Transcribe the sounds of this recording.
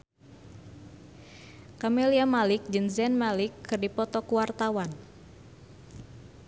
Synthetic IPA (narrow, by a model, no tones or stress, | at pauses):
kameliamalɪk̚d͡ʒɨnzɛnmalɪkʰːɨrdipɔt̪ɔkuwart̪awan